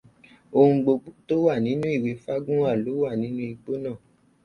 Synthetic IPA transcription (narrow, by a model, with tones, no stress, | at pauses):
o˧hũ˧ɡ͡bo˧ɡ͡bu˦to˦wa˦˨nĩ˨˦nũ˦i˦˨we˨˦fa˦ɡũ˦wa˦˨lo˨˦wa˦˨nĩ˨˦nũ˦i˧ɡ͡bo˦nãː˦˨